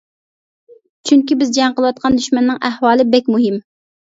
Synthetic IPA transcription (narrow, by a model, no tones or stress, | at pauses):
t͡ʃʰyŋkʲibɪzd͡ʒɑŋqəlˠəwɑt̪̚qʰɑnd̪yʃmɛnːɨŋʔæhwɑːlˠɨbɛkʲmuɦɪm